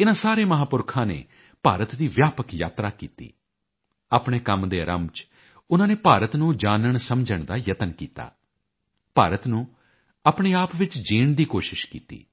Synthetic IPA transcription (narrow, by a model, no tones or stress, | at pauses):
ɪnãːsaːɾeːməɦaːpʊɾkʰãːnḛː | paːɾət̪d̪iːʋjaːpəkja̰ːt̪ɾaːkiːt̪ḭː | aːpɳ̃eːkəmd̪eːɾə̰mt͡ʃ | ʊnãːneːpaːɾət̪nũːd͡ʒaːnəɳsəmd͡ʒəɳd̪aːjət̪ənkiːt̪a̰ː | paːɾət̪nũː | aːpɳeːaːpʋɪt͡ʃd͡ʒiːɳd̪iːkoːʃɪʃkḭːt̪ḭː